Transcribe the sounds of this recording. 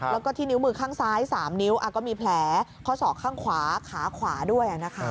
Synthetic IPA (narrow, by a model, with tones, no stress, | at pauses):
lɛː˦˥wkɔː˥˩t̪ʰiː˥˩ni˦˥wmɯː˧kʰaː˥˩ŋsaː˦˥jsaː˩˦mni˦˥wʔa˨˩kɔː˥˩miː˧pʰlɛː˨˩˦kʰɔ˦˥˩sɔː˨˩kʰːaː˥˩ŋkʰwaː˩˦kʰaː˩˦kʰwaː˩˦du˥˩əjʔa˨˩na˦˥kʰa˦˥